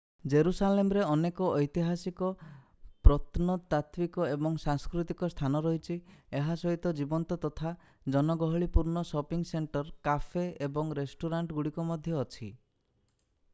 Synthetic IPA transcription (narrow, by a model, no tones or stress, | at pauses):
d͡ʒeɾusalemɾeɔnekɔɔjt̪iɦasikɔ | pɾɔt̪nɔt̪at̪wikɔebɔŋsaŋskɾut̪ikɔst̪ʰanɔɾɔɦit͡ʃʰieɦasɔɦit̪ɔd͡ʒibɔnt̪ɔt̪ɔt̪ʰa | d͡ʒɔnɔɡɔɦɔɭipuɾnɔsɔpiŋseɳʈɔɾkafʰeebɔŋɾesʈuɾaɳʈɡuɽikɔmɔd̪ʱjɔːt͡ʃʰi